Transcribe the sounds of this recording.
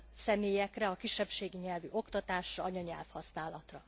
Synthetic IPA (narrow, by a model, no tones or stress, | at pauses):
sɛmeːjɛkrɛɒkiʃːɛpʃeːɡiɲɛlvyʔo̞kt̪ɒt̪aːʃrɒɒɲɒɲɛ̰lfhɒsnaːlɒt̪rɒ